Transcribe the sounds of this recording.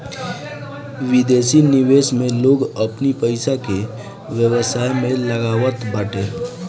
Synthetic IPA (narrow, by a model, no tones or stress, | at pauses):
ʋɪd̪eːsinɪʋeːsmẽloːɡəpnipəɪsake | ʋjəwəsaːjmẽləɡaːwət̪baːʈe